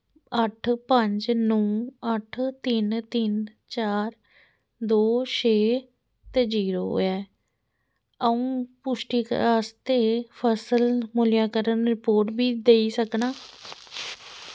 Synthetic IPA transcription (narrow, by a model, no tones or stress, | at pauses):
əʈʰpəɲd͡ʒnõːəʈʰt̪ɪnt̪ɪnt͡ʃaːɾ | d̪oːʃʰeː | t̪eːd͡ʒiːɾoːo̰ɛː | əũːpʊʃʈiːkəst̪eːpʰəsəlmʊljãːkəɾənɾɪpoːɾʈbiːd̪eiːsəknaː